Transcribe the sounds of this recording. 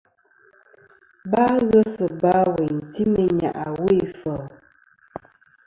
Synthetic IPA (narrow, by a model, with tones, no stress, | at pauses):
ba˦ɣə˦sə˨ba˦we˨n˨ti˦mə˦ɲa̰˨ʔa˨we˦e˨fə˨